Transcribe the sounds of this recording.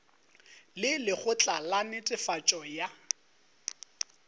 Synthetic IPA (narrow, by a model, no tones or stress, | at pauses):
lɪlɪχʊt͡ɬʼalanɪtʼɪfat͡ʃʼɔja